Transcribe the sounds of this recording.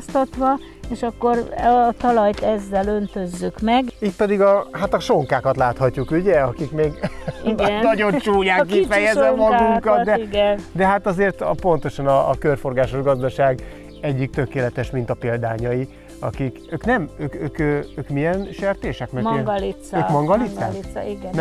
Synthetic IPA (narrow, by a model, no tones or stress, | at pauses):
st̪ɒt̪ʋɒ | eːʃɒkːo̞rt̪ɒlɒjt̪ɛzːɛlønt̪ø̞zːykmɛɡit̪̚pɛd̪iɡɒɦat̪ɒʃo̞ŋkaːkɒt̪laːt̪hɒcːukuɟɛɒkikmeːɡiɡ̪nɒɟo̞nt͡ʃuːjaːkːifɛjɛzɛmmɒɡuŋkɒt̪̚d̪ɛiɡɛnd̪ɛɦat̪ɒzeːrt̪po̞nt̪o̞ʃɒnɒːkørfo̞rɡaːʃo̞ʒɡɒzd̪ɒʃaːɡ | ɛɟːik̚t̪ø̞keːlɛt̪ɛʃmint̪ɒpeːld̪a̰ːɲɒji | ɒ̰kikøːknɛmøːkøːkøøːkmijɛnʃert̪eːʃɛkmɛrmɛɡlit̪søːmɒŋɡɒlit̪sːa̰ːisiɡɛnn